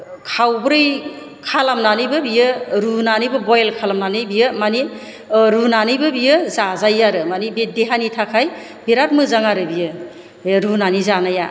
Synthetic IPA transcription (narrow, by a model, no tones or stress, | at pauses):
kʰawbɾɯj | kʰalamnanɯjbɯbijɯɾunanɯjbɯbɔjlkʰalamnanɯbijɯmani | ɾunanɯjbɯbijɯzazajaɾɯmanibedeɦanitʰakʰaj | biɾat̚mɯzaŋaɾɯbijɯ | ɾunanizanaja